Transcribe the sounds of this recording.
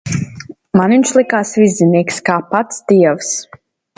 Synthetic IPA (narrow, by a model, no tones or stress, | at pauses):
manviɲʃlˠikaːsvizʲːiniːkskaːpat̪sd̪iɛvs